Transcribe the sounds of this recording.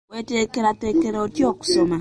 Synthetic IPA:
wetekeɾatekeɾeotjoksoma

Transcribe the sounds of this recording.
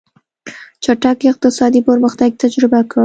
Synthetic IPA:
t͡ʃaʈakɪq̚t̪ɪsɑd̪ipəɾməxt̪aɡ̚t̪ad͡ʒɾɪbaka

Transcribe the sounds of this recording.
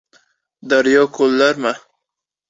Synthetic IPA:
d̪aɾjɔkʰolːaɾma

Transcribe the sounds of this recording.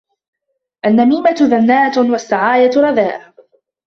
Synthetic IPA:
ʔanːamiːmat̪ðanːaːt̪wasːaʕaːjat̪ɾˤɑðaːʔ

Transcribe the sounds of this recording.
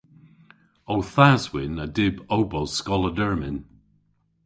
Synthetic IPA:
owθazwɪnədɪbowbowskɔlˠədɜɹmɪn

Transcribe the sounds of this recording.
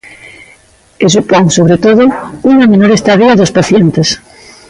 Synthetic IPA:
esopoŋsoβ̞ɾet̪oðouŋamenoɾest̪aðiaðospaθjent̪es

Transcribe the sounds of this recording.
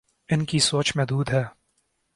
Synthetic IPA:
ɪnkisoːt͡ʃmẽd̪uːd̪ɦɛː

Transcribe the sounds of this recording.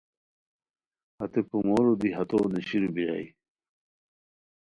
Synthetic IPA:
hɐt̪epumoɾod̪iɦɐt̪oːneɕiɾubiɾa̰i

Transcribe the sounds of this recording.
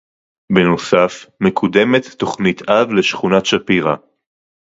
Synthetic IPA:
beno̞safme̞kʰud̪e̞met̪ːo̞χnit̪ʰavle̞ʃχunatʃapiʁa̰

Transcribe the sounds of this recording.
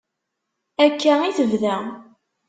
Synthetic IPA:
ækʰːæiθəvðæ

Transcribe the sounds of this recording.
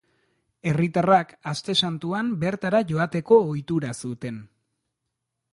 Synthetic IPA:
e̞rit̪arakast̪e̞sant̪uambe̞ɾt̪aɾaʝo̞at̪e̞ko̞ːjt̪uɾasut̪e̞n

